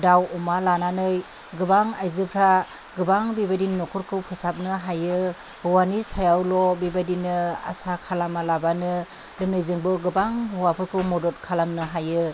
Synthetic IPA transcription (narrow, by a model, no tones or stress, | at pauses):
dawɔmalananɯj | ɡɯbaŋajzɯpʰɾa | ɡɯbaŋbibadinːɔkʰuɾkʰɯwpʰɯsap̚nɯɦajɯ | hɯwanisajawlɔbibadinɯa̰sakʰalamalabanɯ | lɯnɯjzɯŋbɯɡɯbaŋɦuwapʰɯɾkʰɯwmɔdɔt̚kʰalamnɯɦajɯ